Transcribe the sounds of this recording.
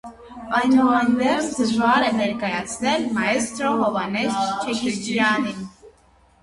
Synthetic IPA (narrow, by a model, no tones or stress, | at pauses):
ɑjnuɑjnvɛɾt͡sʰd̪əʒvɑɾɛnɛɾkɑjɑt͡sʰnɛlmɑɛst̪ɾɔɦɔvɑnɛst͡ʃ̪t͡ʃʰɛkʰiid͡ʒ̪jɑnin